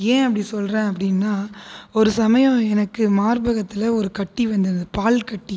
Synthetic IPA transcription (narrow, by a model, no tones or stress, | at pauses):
ẽːɐpːɐɽisɔlrẽːɐp̬ːɐɽɪnːaːɔɾɯsɐmɐjɐ̃ɛnɐkːɯmaːɾbɐɣɐt̪ːɪlɐɔɾɯkɐʈːiʋɐnd̪ɯnɐd̪ɯpaːlkɐʈːi